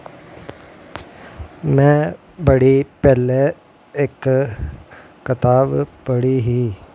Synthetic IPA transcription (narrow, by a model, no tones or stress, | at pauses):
mɛ̃ː | bəɽipɛːle | ɪk | kət̪aːbpəɽiɦiː